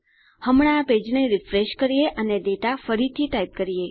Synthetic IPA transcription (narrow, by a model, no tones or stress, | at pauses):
həmɽ̃aːped͡ʒneɾifɾeʃkəɾijeʔəneɖ̪eʈafəɾit̪ʰiʈaip̚kəɾije